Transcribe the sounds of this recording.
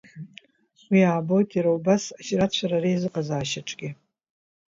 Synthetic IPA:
χwijaːbo̞jtʰʼaɾawbasaʃrat͡ʃʷʰaɾaɾejzɨqʼazaːʃaʈ͡ʂʼɡʲɪ

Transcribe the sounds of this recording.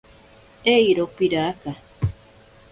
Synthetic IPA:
eiɾopiɾaːka

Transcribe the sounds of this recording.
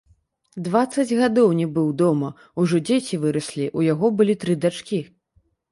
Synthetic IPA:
d̪vat̪sːɐd͡zʲɣad̪ɔwnʲibɨwd̪ɔmɐ | uʐɔd͡zʲet͡sʲivɨɾɐsʲlʲiʔujaɣɔbɨlʲit̪ɾɨd̪at͡ʂkʲi

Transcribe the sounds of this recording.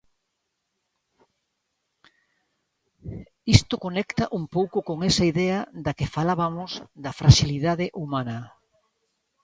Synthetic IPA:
ist̪okonɛkt̪ɐʔumpowkʊkoŋɛsɐiðɛɐd̪ɐkɪfalaβɐmʊzd̪ɐfɾaʃiliðaðɪʔumanɐ

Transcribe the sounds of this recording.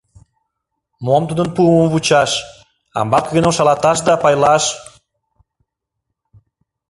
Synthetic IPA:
momt̪ud̪ənpuəməmβut͡ɕɑʃ | ɑ̰mbɑkɣynəmʃɑlɑt̪ɑʃ̬d̪ɑpɑjlɑʃ

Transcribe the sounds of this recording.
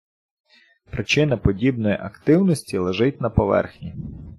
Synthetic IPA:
pɾɪt͡ʃɪnɪpɔdʲibnɔjiʔɐkt̪ɪwnɔsʲtʲilˠeʒɪt̚ʲnɐpɔʋɛ̰rxnʲi

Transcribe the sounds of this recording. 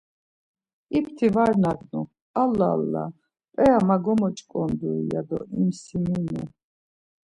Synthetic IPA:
ipʰt̪ʰivaɾnaɡnu | alːalːa̰ | pʼɛamaɡɔmɔt͡ʃʼkʼɔnd̪uija̰d̪ɔ̰imsiminɛ

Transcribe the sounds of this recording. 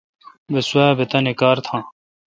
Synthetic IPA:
beswabet̪ɐnekaːɾt̪ʰãː

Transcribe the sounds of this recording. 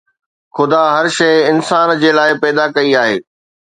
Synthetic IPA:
xʊd̪aɦɐɾʃɐɪɪnsaːnd͡ʑeːlaːɪpɛːd̪akɐiaːɦḛː

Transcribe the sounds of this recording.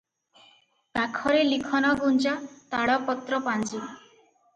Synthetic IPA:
t̪akʰɔɾelikʰɔnɔɡunt͡ʃat̪aɽɔpɔt̪ɾɔpand͡ʒi

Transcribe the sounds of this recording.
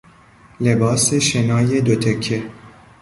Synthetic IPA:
lebɒːseʃenɒːje̞d̪ot̪ʰekʰːe

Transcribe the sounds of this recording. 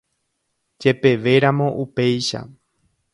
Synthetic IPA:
d͡ʒe̞pe̞ʋe̞ɾamõ̞ʔupe̞jʃa̰

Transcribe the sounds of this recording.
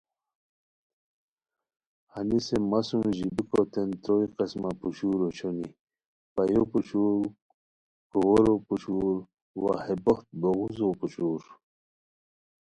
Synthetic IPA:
hanisemasumʑibikot̪ent̪ɾoiqesmapuɕuːɾot͡ʃʰoni | pajopuɕuɾ | kowoɾoput͡ɕuːɾ | wa̰heboxt̪̚boɣuzoput͡ɕuːɾ

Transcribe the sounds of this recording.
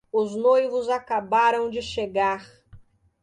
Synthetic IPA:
ʊznojvʊzakabaɾɐ̃w̃d͡ʒɪʃeɡaɾ

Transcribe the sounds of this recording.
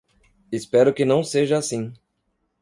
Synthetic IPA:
espɛɾʊkɪnɐ̃w̃seʒɐasĩ

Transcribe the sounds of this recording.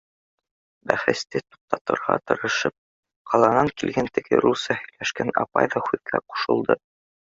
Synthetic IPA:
bæχɘ̆st̪ɘt̪u̥q̚t̪ɑt̪ɤ̆ɾʁɑ̰t̪ɤ̆ɾɤ̆ʃɤp̚ | qɑlˠɑnɑŋkilɡænt̪ɘ̆ɡɘ̰ɾusɑhɵ̆jlæʃkænɑ̰pɑ̰jðɑhʉðɡæ̰qu̥ʃɤ̆lˠd̪ɤ

